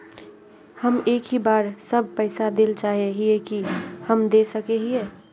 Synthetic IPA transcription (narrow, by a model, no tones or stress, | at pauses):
həmeːkɦibaːɾsəb̚ʱpəɪsad̪elt͡ʃaːɦeɦiekihəmd̪esəkeɦieː